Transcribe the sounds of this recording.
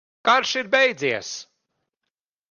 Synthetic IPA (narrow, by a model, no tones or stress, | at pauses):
kaɾʃiɾbɛjd̪ziɛs